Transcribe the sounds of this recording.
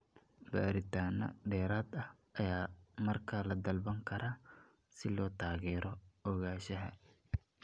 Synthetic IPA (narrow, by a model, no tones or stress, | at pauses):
ba̰ːɾɪt̪ʰaːnɐ̰ɖɛːɾaːd̪ɐhʔɐjaːmɐrkʰɐlɐd̪ɐlbɐŋkʰɐɾʔaː | sɪlɔːt̪ʰaːɣɛːɾɔɔɣaːʃɐɦɐ̰